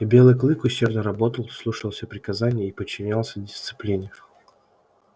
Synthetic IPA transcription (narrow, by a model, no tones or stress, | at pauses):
bʲe̞lˠɨjklˠɨkʊɕʲːe̞rdnəɾɐbo̞t̪əlˠslˠuʂəlˠsʲəpɾʲɪkɐzanʲɪjəipət͡ɕːɪnʲalˠsʲədʲɪst̪sɨ̥plʲinʲɪ